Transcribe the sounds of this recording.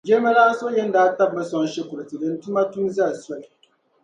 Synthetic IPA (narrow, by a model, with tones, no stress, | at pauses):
d͡ʒɛ˦ɾma˦laː˦so˦jɛ˦n˦daː˦ta˦b̚ːa˦sɔ˦n˦ʃɛ˦kʊ˨lɨ˨tɨ˨dɨ˦n˦tu˦ma˦tu˦mza˦˨sa˦˨l